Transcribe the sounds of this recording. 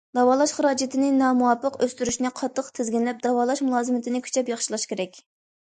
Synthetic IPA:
d̪ɑwɑːlˠɑʃχəɾɑːd͡ʒɪt̪ʰɪnɪnɑːmuwɑpːəqøst̪yɾyʃnɪqʰɑt̪ʰːəqt̪ʰɪzɡʲinlɛp̚d̪ɑwɑːlˠɑʃmulˠɑːzɨmɪt̪ʰɪnɪkʲʰy̥t͡ʃʰɛpjɑχʃilˠɑʃkʲʰeɾɛkʲ

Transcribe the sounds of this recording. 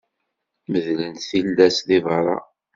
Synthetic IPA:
məðlənt̪θilːæsðivɑɾˤɑ̰

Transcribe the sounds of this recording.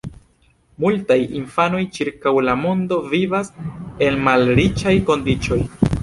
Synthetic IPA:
multajinfano̞jt͡ʃiɾkawlamo̞ndo̞vivase̞nmalɾit͡ʃajko̞ndit͡ʃo̞j

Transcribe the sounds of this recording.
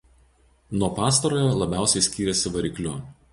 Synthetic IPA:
nuɔpɑːs̬t̪ɐɾoːjɛlˠɐbʲæˑʊsʲɛɪsʲkʲiːɾʲɛsʲɪʋɐɾʲɪklʲʊ

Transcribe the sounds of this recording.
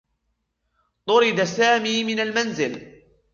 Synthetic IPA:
t̪ˤʊɾɪd̪asaːmiːmɪnalmanzɪl

